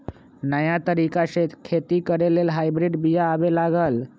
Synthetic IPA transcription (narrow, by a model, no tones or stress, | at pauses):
nəjat̪əɾikaɕet̪kʰet̪iːkəɾelelɦajbɾiɖbijaːʋelaɡəl